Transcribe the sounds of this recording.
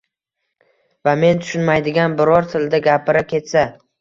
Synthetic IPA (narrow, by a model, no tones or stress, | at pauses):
vame̞nt̪ʰʊ̥ʃʊnmajd̪ɪɡʲanbɪɾɒɾt̪ʰɪld̪aɡʲapʰɪɾakʲʰe̞t̪sa